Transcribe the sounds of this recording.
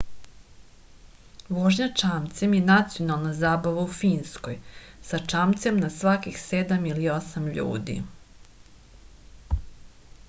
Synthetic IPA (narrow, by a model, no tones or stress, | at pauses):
ʋoʒɲat͡ʂaːmt̪semjenat̪sijo̞nalˠnazaːbaʋaufiːnskojsat͡ʂaːmt̪semnasʋakixsed̪amilio̞samʎṵːd̪ḭ